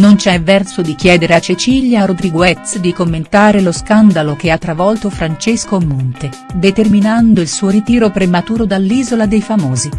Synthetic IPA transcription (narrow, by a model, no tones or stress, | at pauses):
nont͡ʃɛvːɛrsod̪ik̟jɛːd̪eɾeat͡ʃet͡ʃiljaɾod̪ɾiɡwɛt̪sd̪ikomːent̪aːɾeloskand̪alok̟eat̪ːɾavɔlt̪ofɾant͡ʃeskomːont̪e | d̪et̪erminand̪oilsuːoɾit̪iːɾopɾemat̪uːɾod̪alːiːzolad̪ejfamoːzi